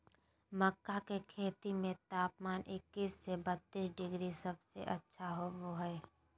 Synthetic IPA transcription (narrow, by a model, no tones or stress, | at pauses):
məkːakekʰeːt̪imẽt̪aːpmaːnʔɪkːiːsːebət̪ːiːsɖɪɡɾisɐbsḛʔɐtːʃʰaɦoʋoɦɛː